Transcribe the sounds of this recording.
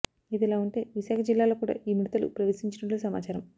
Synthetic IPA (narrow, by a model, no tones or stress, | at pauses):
id̪ilaːuɳʈe̞ːʋiʃaːkʰɐd͡ʒilːaːlo̞ːkuːɽa̰ːʔiːmiɽit̪ɐlṵpɾɐʋɐsiɲt͡ʃɐnɐʈluːsɐma̰ːt͡ʃaːɾɐm